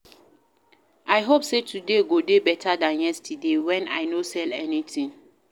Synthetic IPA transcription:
ʔajɦopsetʰudeɡodebɛtʰadãnjɛstʰidewɛ̃na̰ɪnosɛlɛnitĩŋ

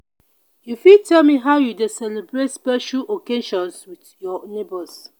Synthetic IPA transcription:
jufitɛlmiɦaʊjudesɛlibɹetspɛʃuʔokeʃɔ̃nswiθjɔnebəs

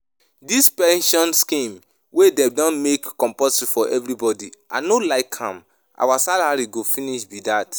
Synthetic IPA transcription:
dispɛ̃nʃɔ̃nskĩm | wedɛ̃dɔ̃nmekːɔ̃mpɔsifɔʔɛvɹibɔdiʔa̰nolaɪkʰhã̰m | ʔa̰wasalaɹiɡofĩniʃbidat

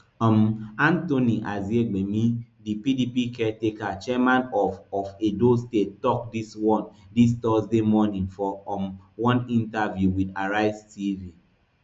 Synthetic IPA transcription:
ɔmãntoniʔazieɡ͡bemidipidipikɛtekat͡ʃɛmãnɔfɔfedostetɔk̚diswɔ̃ndistɔsdemɔnĩŋfɔmwɔ̃nĩntavjuwidaɹaɪstivi

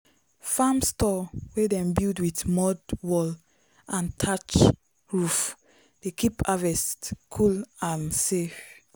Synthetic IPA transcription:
famstɔwedɛ̃mbildwitmɔdwɔl | ãntʰat͡ʃ | ɹuf | d̥ekipavɛstkʰulãnsef

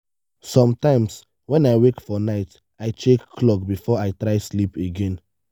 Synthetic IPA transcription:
sɔ̃mtãɪ̃ms | wɛ̃naɪwekfɔnaɪt | aɪt͡ʃekʰːlɔkbifɔaɪtɹaɪslipeɡɛ̃n

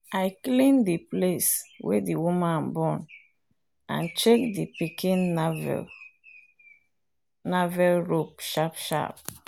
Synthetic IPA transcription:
ajklĩndipleswḛdiwumãnbɔ̃n | ã̰nt͡ʃek̚dipikĩnvɛ̰ | navɛlɹopʃapʃa̰p̚

